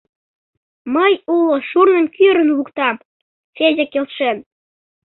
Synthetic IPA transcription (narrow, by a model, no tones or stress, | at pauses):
məjuloʃurnəmkyɾənlukt̪ɑm | t͡sezʲekelʃen